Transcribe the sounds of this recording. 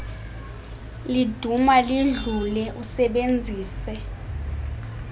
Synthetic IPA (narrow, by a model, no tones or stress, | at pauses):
lid̥ʱumaliɮulɛʔusɛɓend͡zʱiːsɛ